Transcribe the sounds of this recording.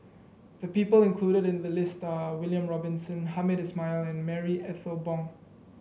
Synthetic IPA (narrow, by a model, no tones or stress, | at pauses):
ðəpiːpəlɪ̃nkʰluːɾəɾɪ̃nðəlɪstawɪljə̃mɹɔbɪ̃nsə̃nhamɪdɛsmaɪlɛ̃nmɛɹiʔɛθəbɔ̃ŋ